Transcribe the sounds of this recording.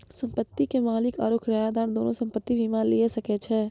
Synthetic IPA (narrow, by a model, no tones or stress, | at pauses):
sɐ̃mpət̪ːikemaːlɪka̰ːɾoːkʰɾajad̪aːɾd̪oːnõsɐ̃mpət̪ːiʋimaliesɐket͡ʃʰɛː